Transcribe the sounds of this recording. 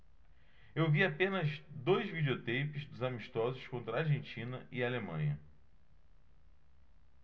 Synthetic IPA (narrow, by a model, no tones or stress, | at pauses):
ewviapẽnɐzd̪ojzvid͡ʒiot̪ejpɪzd̪ʊzamiʃt̪ɔzʊʃkõnt̪ɾɐaɾʒẽnt͡ʃĩnɐʔialemɐ̰̃ɲɐ